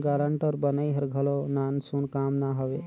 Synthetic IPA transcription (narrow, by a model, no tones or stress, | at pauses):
ɡaːɾəɳʈɔɾbənəiɦəɾɡʱəlonansunkaːmnaɦəʋe